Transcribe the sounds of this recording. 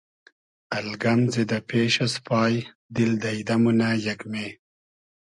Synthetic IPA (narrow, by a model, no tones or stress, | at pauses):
ɐlɡɐmzed̪apʰeːʃaspʰɑːj | d̪ild̪ajd̪amunajakme